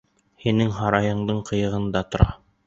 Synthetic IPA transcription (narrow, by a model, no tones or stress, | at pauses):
hinɘŋɦɑɾɑjɤ̆ɴd̪ɤɴqɤ̆jɤ̆ʁɤ̆nd̪ɑt̪ŏɾɑ